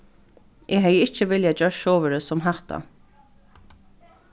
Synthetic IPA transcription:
ʔɛːɦɛjɪht͡ʃəʋɪljad͡ʒœʃoːʋəɾəsɔmɦaht̪a̰

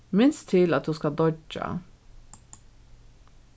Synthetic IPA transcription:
mɪnst̪ʰɪlɑt̪̚d̪ʉːskɑd̪ɔd͡ʒɑ̰

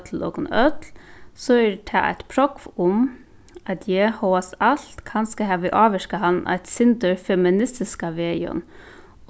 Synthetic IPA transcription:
t̪ʰl̩o̰ːɡənœt̪lsɔɛɾt̪ʰɑ̰ːʔæ̰ɪt̪pʰɾɔkʋʊm | ɑt̪ʰjɛhɔasɑlt̪kʰɑnskɑɦɑːʋɪʔɑːʋəʂkəɦɑnʔæ̰ɪt̪sɪnd̪əɾfɛmɪnɪst̪ɪskaʋeːɔ̰n

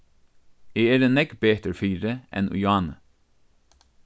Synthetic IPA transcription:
eːeːɾənɛɡbeːt̪əɹfiːɾəʔɛ̰nʔʊ̰jɑːnə

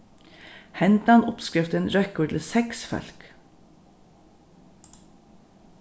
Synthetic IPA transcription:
hɛnt̪ɑnʊpskɾɪft̪ənɾœkʊːt̪l̩sɛksfœ̰lk

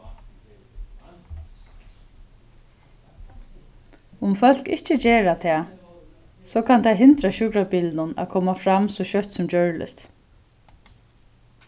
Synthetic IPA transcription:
ʊmfœl̥kɪ̰ht͡ʃəd͡ʑeːɹat̪ʰɛː | sɔkʰant̪ʰajɦɪnt̪ɾaɕʊkɾapiːlnʊna̰ðkʰɔːmafɾamsɔɕœht̪sʊmt͡ɕœɹlɪ̰st̪

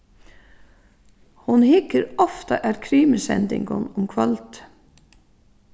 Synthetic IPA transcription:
hʊnhɪkəɾɔft̪aʔæɾkʰɾiːməsɛ̰nt̪ɪ̰ŋɡʊnʊmkʰʋœlt̪

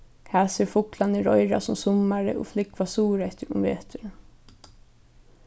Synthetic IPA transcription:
kʰaːsɪːɾfʊklanɪɾɔjɾa̰sʊmsʊmaɾə̰ʔʊ̰flɪkvasuːɾɛht̪ɪɾʊ̰mveːt̪ʰʏɾə

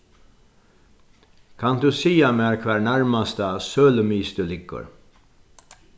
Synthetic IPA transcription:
kʰɑnd̪ʉːsiːɑmeːɾkʰʋæːɳæɹmɑst̪əsøːləmiːst̪ʉlɪɡə̰ɾ

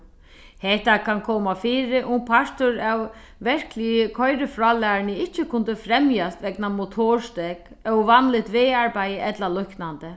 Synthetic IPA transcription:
hɛht̪akʰankʰɔːmafiːɾɪʔʊmpʰaʂt̪ʊɾaw | ʋɛɹ̥klɪjəkʰɔjɾɪfɾɔːlɛːnɪɪt͡ʃːɪkʰʊnt̪ɪfɾɛmjast̪ʋɛknamʊt̪ʰoːɹst̪ɛk | œwʋanlɪt̪ʋɪːaɹpajəʔɛt̪lalʊhknant̪ɪ

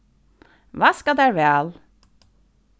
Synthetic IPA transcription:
ʋɑːskɑd̪æːɾʋæl

